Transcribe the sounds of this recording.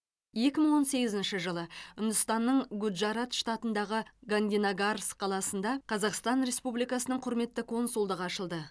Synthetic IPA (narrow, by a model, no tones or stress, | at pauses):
je̞kʲɪməɴwo̞nse̞ɡʲɪzɪnʃɪʒəlˠəʏnd̪ɪst̪ɑnːəɴɡʊd̪ʒɑɾat̪ʃt̪ɑt̪ənd̪ɑʁəɡand̪ʲinaɡarsqʰɑlˠɑsənd̪ɑqʰɑzɑqst̪ɑnɾe̞spublijkɑsənəɴqʰʊɾme̞t̪ːəkʰo̞nsulˠd̪əʁɑʃəlˠd̪ə